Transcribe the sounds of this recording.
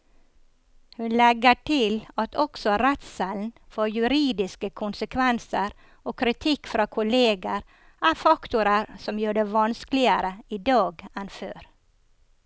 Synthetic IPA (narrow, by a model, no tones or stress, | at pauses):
hʉnlɛɡəʈʰɪlɑt̪ʰɔksɔɾɛt̪sɛln̩fɔɾjʉɾiːd̪ɪskəkʰʊnsəkʰʋɛnsəɾ | oːkʰɾɪt̪ʰɪkːfɾʔɑːkʰʊleːɡəɾ | ʔæːɾfɑkt̪ʊɾəɾsɔmjuːɖeːʋɑnsklɪəɾəiːd̪ɑːɡɛnføːɾ